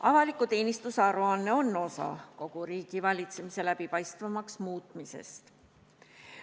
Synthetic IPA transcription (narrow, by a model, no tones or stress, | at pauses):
ɑvɑlikːˑut̪e̞ːnist̪usɑɾuɑnːe̞o̞nːo̞sɑ̰ko̞ɡ̥uɾiːɡ̥ivɑlʲit̪se̞mise̞læb̥ipɑjst̪vɑmɑksmuːt̪ˑmise̞̰st̪